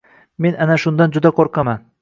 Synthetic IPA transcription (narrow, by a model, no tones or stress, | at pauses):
me̞nʔanaʃʊnd̪and͡ʒʊd̪aqʰoɾqʰɑman